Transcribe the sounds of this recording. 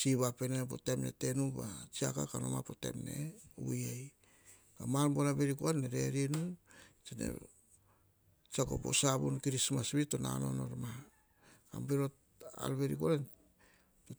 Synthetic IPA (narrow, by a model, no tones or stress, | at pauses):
siβapenepo̰temnḛte̞nubat͡ʃiakakanomapote̞̰mnḛujaj | kamalbolabe̞ɾikoanːeɾe̞ɾinut͡ʃinḛ | t͡ʃako̞̰bo̰sabunkiɾismasbitona̰no̞no̞ɾma | ka̰mbeɾot | a̰lβe̞ɾikolen | to